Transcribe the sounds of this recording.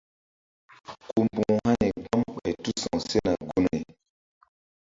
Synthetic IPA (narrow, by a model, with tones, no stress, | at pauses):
ku˨mbu˨ŋu˨ha˦ne˨ɡ͡ba˦mɓa˨jtu˦sɔ̃˨se˦na˨ɡo˦no˨i˨